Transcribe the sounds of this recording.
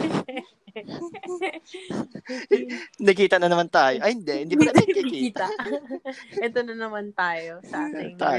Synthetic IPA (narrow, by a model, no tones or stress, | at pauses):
nɐkiːt̪ɐnɐnɐmant̪aːjoʔɐhɪnd̪ɛʔhɪnd̪iːpɐlamɐnɐkikkiːiːt̪ɐ | ʔɛt̪onɐnɐmant̪aːjosɐʔaːt̪t̪aː